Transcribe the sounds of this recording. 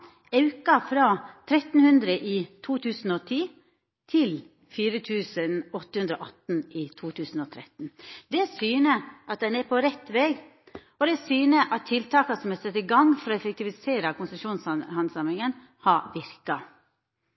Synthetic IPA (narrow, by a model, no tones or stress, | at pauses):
ɑʉkɑfɾɑːt̪ʰɾɛt̪n̩hʉnd̪ɾəʔiːt̪ʰuːt̪ʰʉːsn̩ɔt̪ʰiː | t̪ʰɪl | fiːɾət̪ʰʉːsənɔt̪ːəhʉnd̪ɾɔ̰ːʔɑt̪n̩iːt̪ʰuːt̪ʰʉːsn̩ɔt̪ʰɾɛt̪n̩d̪ɛsyːnəʔɑt̪̚d̪ɛnɛɾpʰɔɾɛt̪ʋeːɡ | ɔd̪ɛsyːnəʔɑt̪ʰːɪlt̪ʰɑːkɑsɔmɛsɛt̪ːɪɡɑŋfɔɾɔɛfək̚t̪ʰɪʋɪseːɾɑkʊnsəʂuːnsɑhɑnsɑmɾɪŋən | hɑʋɪɾkɑ